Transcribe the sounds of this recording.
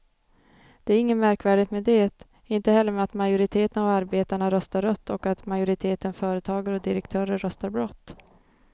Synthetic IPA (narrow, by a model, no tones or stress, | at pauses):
d̪̥ɛæɾɪŋːənmæɾkvæːɖɪt̪med̪ɛːt̪ | ɪnt̪əhɛlːəɾmɛat̪majʊɾɪt̪ʰeːt̪ənavaɾbeːt̪aɳaɾœst̪aɾœt̪ːɔkat̪majʊɾɪt̪ʰeːt̪ənfœːɾət̪ʰɑːɡəɾɔd̪ɪɾɛkt̪ʰœːɾəɾːœst̪aɾbɾɔt̪ː